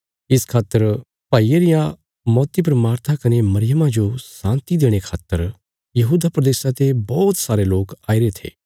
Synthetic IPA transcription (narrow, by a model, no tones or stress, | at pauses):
ɪskʰaːt̪ːəɾ | paːieɾɪjã | mɔːt̪ipɾmaːɾt̪ʰakɐnemɐɾɪjəmãd͡ʒosãːnt̪id̪eːɽ̃ekʰaːt̪ːəɾ | jɐɦuːd̪apɾɐd̪eːsãt̪ebɔːt̪saːɾeloːkaːiɾet̪ʰḛː